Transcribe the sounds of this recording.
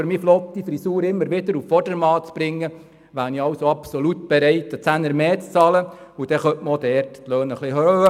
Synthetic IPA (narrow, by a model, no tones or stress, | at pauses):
øɾmiːflɔt̪ːifɾisuːɾɪmːəɾʋɪd̪əɾuffɔrdəɾmɑːt͡sb̥ɾɪŋːə | ʋæːniɑwsoɑpsolutb̥eɾɛɪt̪ət͡sænəɾmeːt͡st͡sɑːləud̥̪ɛχœtʔməod̪ɛːɾtt̪lœːnəχlihøːə